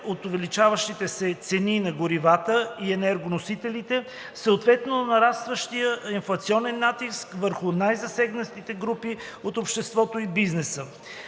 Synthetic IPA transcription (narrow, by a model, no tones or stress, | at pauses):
ot̪ʊvɛlit͡ʃavəʃt̪it̪ɛsɛt̪sɛninɐɡʊɾivat̪əiɛnɛɾɡonosit̪ɛlit̪ɛ | səot̪vɛt̪nonɐɾast̪vəʃt̪ijəinflˠɐt̪siɔnɛnːat̪iskvəɾxʊnajzɐsɛɡnət̪it̪ɛɡɾupiot̪opʃt̪ɛst̪vɔt̪oibiznɛsə